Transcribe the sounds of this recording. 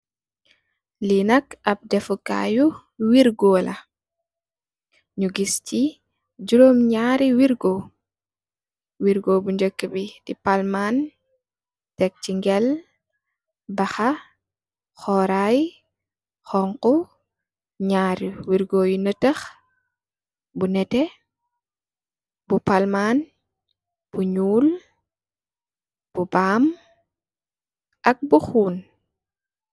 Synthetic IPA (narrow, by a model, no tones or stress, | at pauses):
linɐkɐp̚dɛfuka̰ːju | wiɾɡɔːlʔɐ̰ | ɲuɡisci | d͡ʒuɾoːmɲaːɾiwiɾɡo | wiɾɡoːbuɲd͡ʒəkːəbid̥ipalman | tɛk̚ciŋɡɛl | bɐxɐ | xɔɾaj | xɔŋkɔ | ɲaːɾuwiɾɡoːjunətəx | bunɛtɛ | bupalman | b̥uɲuːl | b̥ubaːm | ʔɐk̚buxuːn